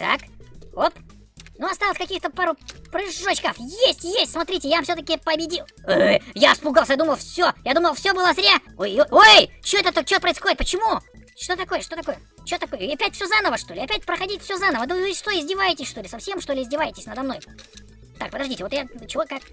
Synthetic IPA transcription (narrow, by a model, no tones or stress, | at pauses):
t̪a̰kop̪ | nuɐst̪alˠəsʲkɐkʲixt̪əpaɾʊpɾɨɪʐːot͡ɕkafjesʲtʲjesʲtʲsmɐt̪ɾʲitʲɪjaamfsʲot̪əkʲɪpəbʲɪdʲilˠojafspʊɡalˠsəjad̪uməlˠfsʲojad̪uməlˠfsʲobɨlˠəzɾʲaojoojt͡ɕoɛt̪ət̪ət͡ɕːoəpɾəɪsxo̞dʲɪt̪pət͡ɕɪmuʂt̪o̞t̪ɐko̞jəʂt̪o̞t̪ɐko̞jə | t͡ɕot̪ɐko̞jəɐpʲætʲfsʲozanəvəʂt̪o̞lʲɪɐpʲætʲpɾəxɐdʲitʲfsʲozanəvəd̪vɨvɨst̪o̞jɪzʲdʲɪvajɪtʲɪsʲʂt̪o̞lʲɪsɐfsʲe̞mʂt̪o̞lʲɪɪzʲdʲɪvajɪtʲɪsʲnəd̪ɐmno̞j | t̪ak̚pəd̪ɐʐdʲitʲɪvot̪jat͡ɕɪvokːak